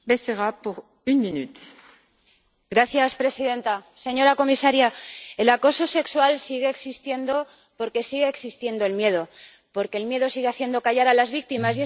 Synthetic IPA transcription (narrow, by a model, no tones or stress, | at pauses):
beseʁapuʁ | ynminyt̪ | ɡɾaθjaspɾe̞siðe̞nt̪ase̞ɲo̞ɾako̞misaɾjae̞lako̞so̞se̞kswalsiɣe̞ːksist̪je̞nd̪o̞ | po̞ɾke̞siɣe̞ːksist̪je̞nd̪o̞e̞lmje̞ð̞o̞ | po̞ɾke̞lmje̞ðo̞siɣe̞aθje̞nd̪okaʝaɾalazβik̚t̪imas̬je